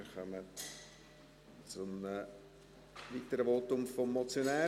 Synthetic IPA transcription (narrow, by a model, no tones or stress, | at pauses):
χœmə | t͡sonə | ʋiːtəɾəvotʊmfomːɔt͡sjonæː